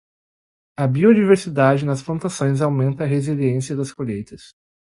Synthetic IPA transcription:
ɐbiod͡ʒiveɾsid̪ad͡ʒɪnɐsplɐ̃nt̪asõj̃zawmẽnt̪ɐːɦeziliẽsiɐd̪ɐskoʎejt̪ɐs

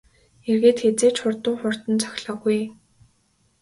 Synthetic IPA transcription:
erɣeːt̪xet͡seːt͡ɕχʊrt̪ʊːχʊr̥t̪ə̆nt͡sʰœ̥xʲɮɔːɣuj

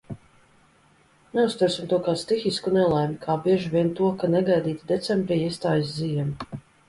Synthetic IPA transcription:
nɛust̪uɾsimt̪uɔkaːst̪ixiskunɛlˠajmikʰaːbiɛʒivʲiɛnt̪uɔkanɛɡajd̪iːt̪id̪ɛt̪sɛmbɾiːiɛst̪aːjiszijɛmi

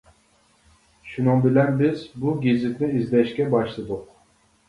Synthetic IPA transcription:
ʃunɨŋbɪlɛnbɪzbuɡʲizɪt̪nɪizlɛʃkʲɛbɑʃlˠɨd̪ʊq̚

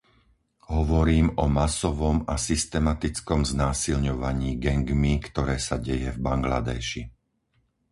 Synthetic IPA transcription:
ɦɔʋɔɾiːmɔmasɔʋɔmasist̪ɛmat̪it͡skɔmznaːsilɲɔʋaɲiːɡɛŋɡmikt̪ɔɾɛːsaɟɛjɛvbaŋɡla̰d̪ɛ̰ːʃi

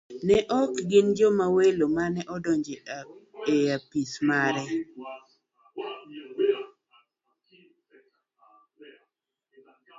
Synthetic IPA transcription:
nɛʔɔkɡɪnd͡ʒomawelomanɛʔɔdɔɲd͡ʒe | eapismaɾɛ

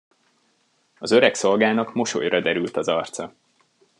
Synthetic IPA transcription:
ɒzø̞ɾɛkso̞lɡaːnɒkmo̞ʃo̰jrɒd̪ɛɾylt̪ɒzɒrt̪sɒ

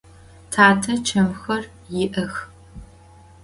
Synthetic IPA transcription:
tʰaːtʰɐt͡ʃʰɐmxɐr | jɪʔɐx

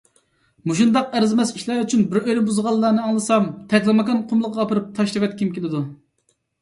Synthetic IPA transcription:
muʃund̪ɑqæɾzmɛsiʃlæɾyt͡ʃʰynbɪɾøjɾɪbuzʁɑlˠːɑːnɨɑŋlˠɨsɑmt̪ʰɛk̪ʲlˠɨmɑkɑnqʰʊmlˠəqːɑːpɨɾɨp̚t̪ʰɑʃlɨvɛt̪̚kʲʰimkʲelɪd̪u

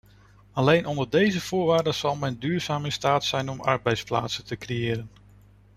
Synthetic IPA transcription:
ɑlejnʔɔndəɹdejzəv̥ʊːɹʋaːɹdəz̥ɑlˠmɛndyːɹz̥aːmɪnstaːtsɛjnɔmɑ̰ɹbɛjtspla̰ːtsəntəkrejɪːɾən

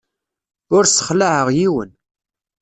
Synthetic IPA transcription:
ʊɾsə̥χlaʕəʁjiwə̰n

